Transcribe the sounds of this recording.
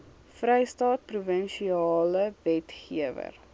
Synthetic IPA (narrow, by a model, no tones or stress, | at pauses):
frɛjstɑːt̚pruvənʃiɑɑːləvɛtχiəvə̰r